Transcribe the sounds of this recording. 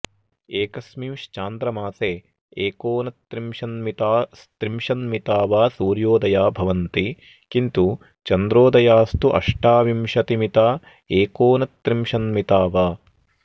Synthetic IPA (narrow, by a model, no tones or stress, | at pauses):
eːkɐsmimʃt͡ʃaːnd̪ɾɐmaːseː | eːkoːnɐt̪ɾimʃɐnmit̪aːst̪ɾimʃɐnmit̪aːʋaːsuːɾjoːd̪ɐjaːbʱɐʋɐnt̪i | kint̪u | t͡ʃɐnd̪ɾoːd̪ɐjaːst̪uʔɐ̰ʂʈaːʋimʃɐt̪imit̪aː | eːkoːnɐt̪ɾimʃɐnmit̪aːʋaː